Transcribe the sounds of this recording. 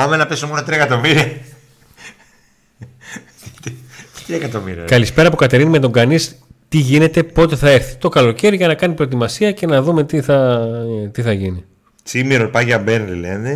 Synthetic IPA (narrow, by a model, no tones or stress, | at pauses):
ɐmenɐpesumonɐt̪ɾiɐekɐt̪o̞miɾiɐ | t̪t̪ɾiɐekɐt̪o̞miɾḭɐ̰kɐlispe̞ɾɐpukɐt̪eɾinime̞t̪o̞ŋɡɐnist̪iʝine̞t̪e̞po̞t̪e̞θɐeɾθi̥t̪o̞kɐlo̞ce̞ɾiʝɐnɐkɐnipɾoet̪imɐsiɐce̞nɐðume̞t̪iθɐ | t̪iθɐʝini | t͡simiɾolpɐʝɐbenlilene